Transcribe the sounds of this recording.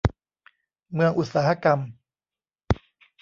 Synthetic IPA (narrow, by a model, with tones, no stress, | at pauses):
mɯ˧əŋʔu˨˩t̪̚saː˩˦ha˧ka˧m